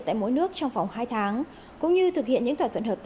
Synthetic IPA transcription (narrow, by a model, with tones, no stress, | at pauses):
t̪a̰ː˧˨jmo̰˧˦jnɨ˦˥ək̚t͡ɕɔ˧wŋ͡mva˨˩wŋ͡mhaː˧jt̪ʰaː˨˦ŋ | kʊ̰˧˥ŋ͡mɲɨ˧t̪ʰɨ˨˩k̚hḭ˧˨ənɲɨ̰˧˥ŋt̪ʰwaː˧˩t̪ʰə˧˩nhəː˨˩p̚t̪